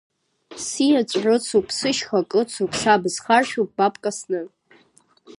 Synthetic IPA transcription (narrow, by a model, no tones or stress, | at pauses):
sijat͡ʃʷʼʕʷʊt͡sʰupʰsɨʃχakʼɨt͡sʰupʰsabɨzχarʃᶣup̚ʼb̥apʼkʼasnɨ